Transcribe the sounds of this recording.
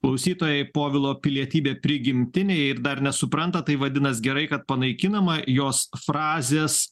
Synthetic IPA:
klˠɐʊsʲiːt̪oːjɛɪpoːʋʲɪlˠoːpʲɪlʲiɛt̪ʲiːbʲeːpʲɾʲɪɡʲɪmʲt̪ʲɪnʲeːjɪɾd̪ɐɾnʲɛsʊpɾɐnt̪ɐt̪ɐɪʋɐd̪ʲɪnɐsɡʲɛɾɐɪkɐt̪̚pɐnɐɪkʲɪnɐmɐjoːsfɾɑːzʲeːs

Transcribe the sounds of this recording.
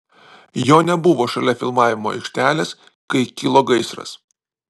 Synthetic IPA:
joːnʲɛbʊʋoːʃɐlʲɛfʲɪlˠmɑːʋʲɪmoːɐ̰ɪkʃʲt̪ʲæːlʲeːs | kɐɪkʲɪlˠoːɡɐɪsɾɐ̰s

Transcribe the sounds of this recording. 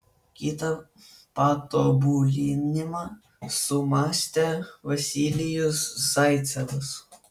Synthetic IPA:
kʲit̪ɐ | pɑt̪oːbulʲinʲɪmɑ | sʊmɑːsʲt̪ʲɛʋɐsʲilʲɪjʊsz̥ɐɪt̪sʲɛʋʊs

